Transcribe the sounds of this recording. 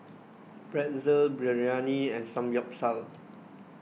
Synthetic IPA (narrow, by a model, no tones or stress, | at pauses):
b̥ɹɛt̚zəlbɹɛɹianiɛ̃nsãmjɔp̚sal